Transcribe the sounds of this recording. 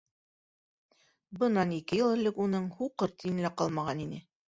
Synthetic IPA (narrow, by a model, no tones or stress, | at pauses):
bɤ̆nɑnikɘjɤ̆lˠɘ̆lɘkunɤɴhuqɤɾt̪ijɘ̆nlæqɑlˠmɑʁɑninɘ